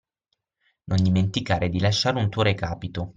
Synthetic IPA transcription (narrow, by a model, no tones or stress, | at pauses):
nond̪iment̪ikaːɾed̪ilaʃːaːɾunt̪uoɾekaːpit̪o